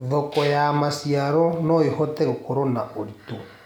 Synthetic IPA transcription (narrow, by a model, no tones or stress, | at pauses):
ðɔkɔjamasiaɾɔnɔehɔtɛɣokoɾɔnaoɾito